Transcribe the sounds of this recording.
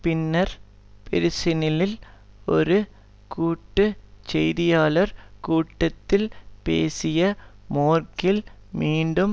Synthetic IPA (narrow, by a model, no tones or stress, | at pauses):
pɪnːɐɾ | pɛɾɪsɪnɪlɪl | ɔɾɯ | kuːʈːɯt͡ʃɛjðɪjaːlɐɾkuːʈːɐt̪ːɪlpḛːsɪjɐmoːrkɪlmiːɳɖɯm